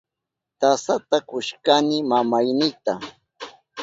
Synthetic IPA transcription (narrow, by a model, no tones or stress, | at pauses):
t̪asat̪akʊʃkanɪmamajnɪt̪a